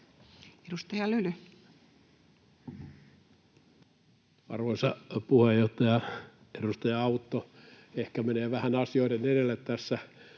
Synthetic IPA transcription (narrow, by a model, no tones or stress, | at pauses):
edust̪ɑjɑlyly | ɑ̰rʋoisɑpuhejːoht̪ɑjɑ | eɾust̪ɑjɑɑut̪ːo | ehkæmeneːʋæhænɑsioideneɾelːet̪t̪æsːæ